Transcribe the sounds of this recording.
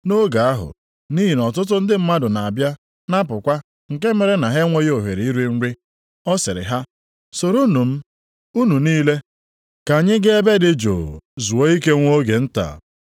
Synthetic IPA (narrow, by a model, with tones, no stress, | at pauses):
no˦ɡa˨a˦ɦʊ̰˨ | ni˦ɦi˨nɔ˨tʊ˦t̬ʊ˦n̩˦dɪ˦m̩˦ma˦dʊ˨na˨a˨bja˦ | na˦pʊ˨kʷa˦ | ŋ̩˨k̬e˦me˨ɾe˦na˨ɦe˦ŋʷo˦jo˨ɦe˨ɾi˨˦i˦ɾi˦n̩˦ɾi˦ | ɔ˦sɪ˨ɾɪ̰˨ɦa˦ | so˨ɾu˦nu˨m̩˦ | u˦nu˨niː˦le˦ | ka˨ɲɪ˦ɡɪ˦e˦be˦dɪ˦d͡ʒo̰˨zu˨o˦i˦ke˦ŋʷo˦ɡe˨n̩˦ta̰˨